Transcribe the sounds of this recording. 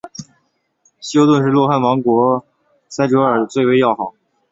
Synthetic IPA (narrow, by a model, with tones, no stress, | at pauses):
ɕjo˥ʊt̪wə˥˧nʂ̬ɻ̩˥˧lwɔ˥˧xa˥˩nwɑ˧˥ŋkwɔ˧˥ | sa˥ɪʈ͡ʂɤ˧˥ə˞˨˩t͡swe˥˩ɪwe˥ɪjɑ˥˩ʊxɑ˨˩˦ʊ